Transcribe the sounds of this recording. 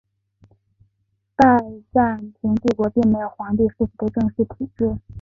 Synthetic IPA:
t̪a˥˧ɪʈ͡ʂa˥˩nt̪ʰi˧˥ŋt̪i˥˩kwɔ˧˥pi˥˩ŋme˧˥ɪjo˨˩ʊxwa˧˥ŋt̪i˥˧ʂ̩˥˩fu˨˩d̪ə˧˦ʈ͡ʂɤ˥˧ŋʂɻ̩˥˩t̪ʰu˨˩ʈ͡ʂɻ̩˥˩

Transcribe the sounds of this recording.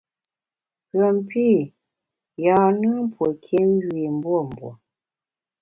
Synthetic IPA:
ɣə˨m˨pi˦ | ja˨nɨ˦m̩˦pwə˨kʰe˦m˦ɡɥi˨m̩˦bwo˦˨m̩˨bwo̰˨

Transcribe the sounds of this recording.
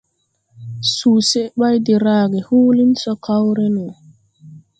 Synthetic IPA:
suː˨se˦ɓa˦jdi˨ɾaː˦ɡɛ˨huː˦li˦nsɔ˦ka˦wɾe˦nu˨

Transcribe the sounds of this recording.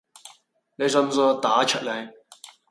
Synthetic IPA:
ne˨˧jsœ˧˥msɔː˧˥t̪aː˨˥t͡ʃʰœ˨t̚le˨˧˩

